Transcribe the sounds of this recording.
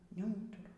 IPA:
nʲɛˈuːtʊrʊ

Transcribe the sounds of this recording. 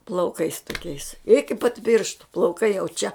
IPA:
plˠɐʊˈkɐɪs toːˈkʲɛɪs ɪkʲɪ pɐt ˈpʲiːrʃtʊ plˠɐʊˈkɐɪ jɛʊ ˈt͡ʃʲɛ

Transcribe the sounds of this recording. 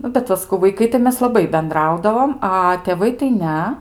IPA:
ˈnʊ bʲɛt ˈʋɐ sɐˈkɐʊ ʋɐɪˈkɐɪ tɐɪ ˈmʲɛs lˠɐˈbɐɪ bʲɛnˈdrɐʊdɐʋoːm ˈɐ tʲeːˈʋɐɪ tɐɪ ˈnʲɛ

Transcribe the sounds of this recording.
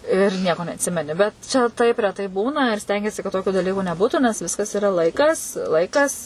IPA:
ɪr ˈnʲiɛkoː nʲɛɐtʲˈsʲɪmʲɛnʲɪ bʲɛt ˈt͡ʃʲɛ tɐɪp rʲɛˈtɐɪ ˈbuːnɐ ɪr ˈsʲtʲɛŋʲɡʲiɛsʲɪ kɐt ˈtoːkʲʊ dɐˈlʲiːkʊ nʲɛˈbuːtʊ nʲɛs ˈʋʲɪskɐs ɪˈrɐ ˈlˠɐɪkɐs ˈlˠɐɪkɐs

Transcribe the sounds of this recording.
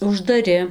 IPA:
ʊʒdɐˈrʲɪ

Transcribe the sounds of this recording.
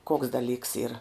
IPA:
koːks dɐˈlʲiːks iːr

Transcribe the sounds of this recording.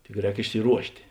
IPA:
tʲɪk ˈrʲɛːk ɪʃʲsʲɪˈruɔʃʲtʲeː

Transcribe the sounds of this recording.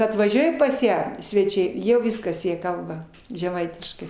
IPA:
ɐtʋɐˈʒʲuɔjɛ pɐs ˈjæː sʲʋʲɛˈt͡ʃʲɛɪ ˈjɛʊ ˈʋʲɪskɐs ˈjiɛ ˈkɐlˠbɐ ʒʲɛˈmɐɪtʲɪʃkɐɪ

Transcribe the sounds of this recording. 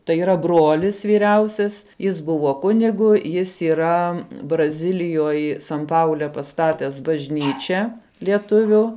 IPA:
tɐɪ iːˈrɐ ˈbroːlʲɪs ʋʲiːˈrʲɛʊsʲɛs jɪs ˈbʊʋoː ˈkʊnʲɪɡʊ ˈjɪs iːˈrɐ brɐˈzʲɪlʲɪjoːj sɐn ˈpɐʊlʲɛ pɐˈstɑːtʲɛs bɐʒʲˈnʲiːt͡ʃʲɛ lʲiɛˈtʊʋʲʊ

